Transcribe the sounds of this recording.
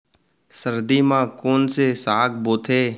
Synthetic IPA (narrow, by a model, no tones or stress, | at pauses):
səɾd̪iːmãːkoːnseːsaːkboːt̪ʰeː